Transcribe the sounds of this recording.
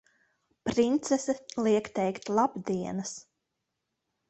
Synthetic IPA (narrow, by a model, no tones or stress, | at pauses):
pɾint̪sɛsɛlˠiɛkt̪ɛjkt̪ʲlˠabd̪iɛnɐs